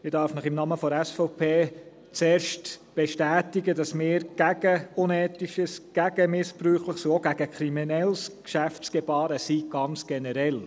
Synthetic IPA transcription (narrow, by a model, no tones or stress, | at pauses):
mɪdɑɾfnəχɪmnɑməfɔɛsfɔʊpʰeː | t͡seːɾʃtb̥eʃtæːtiɡədɑsmɪːɾɡ̥æɡ̥əʊnɛːtiʃəsɡ̥æɡ̥əmɪspɾyːχləχsioɡæɡ̥əkʰɾiminɛlskʃæft͡sɡ̥ebɑːɾəsiːɡ̥ɑnt͡sɡ̥ɛnɛɾɛl